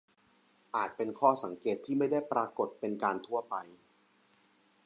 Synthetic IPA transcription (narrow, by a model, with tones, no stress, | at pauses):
ʔaː˨˩t̪̚pe˧nkʰɔː˥˩sa˩˦ŋkeː˨˩t̪ʰːiː˥˩ma˥˩jda˥˩jpɾaː˧ko˨˩t̪̚pe˧nkaː˧nt̪ʰu˥˩ɐpa˧j